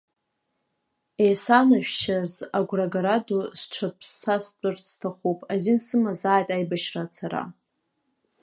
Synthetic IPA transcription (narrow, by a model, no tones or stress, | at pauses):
ejsanaʒᶣʃazaɡʷraɡaɾadusʈ͡ʂʷʰapʰsast͡pʷʼʊrt͡sʰtʰaχupʼazinsɨmazaːjtʼajbaʃrat͡sʰaɾa̰